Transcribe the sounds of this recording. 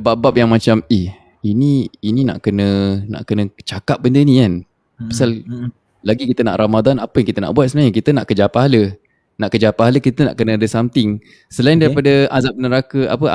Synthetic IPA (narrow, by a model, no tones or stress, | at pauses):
baʔbap̚jaŋmãt͡ʃamih | iniːnina̰ʔkənə̃na̰ʔkənə̃t͡ʃakap̚bəndənĩkan | pasal | laɡikit̪əna̰ʔɾʔamad̪anapəjaŋkit̪əna̰ʔbuat̪̚sənaɲakit̪ənaʔkəd͡ʒapaɦalə | naʔkəd͡ʒapaɦaləkit̪əna̰ʔkənə̃adəsamt̪ɪŋ | səlaindaɾipadaazap̚nəɾakəa̰pə